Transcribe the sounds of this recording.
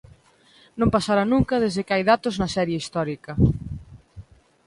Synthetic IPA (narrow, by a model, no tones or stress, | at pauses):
nõmpasaɾanũŋkɐðezðɪkɪajðat̪oznɐsɛɾjeist̪ɔɾikɐ